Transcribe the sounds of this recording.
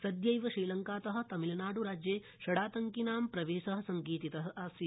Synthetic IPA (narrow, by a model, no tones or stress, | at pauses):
sɐd̪jɐjʋɐʃiːlɐŋkaːt̪ɐɦɐ̆t̪ɐmilɐnaːɽuɾaːd͡ʒjeː | ʃɐɽaːt̪ɐŋkinaːmpɾɐʋeːʃɐɦɐ̆sɐŋkiːt̪it̪ɐɦɐ̆ʔaːsi